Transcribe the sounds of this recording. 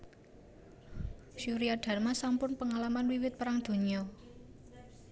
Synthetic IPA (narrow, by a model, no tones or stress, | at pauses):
ʃuɾiaɖ̥ä̤rmasampʊnpəŋalamanwiwɪt̪̚pəɾaŋd̪̥o̤ɲɔ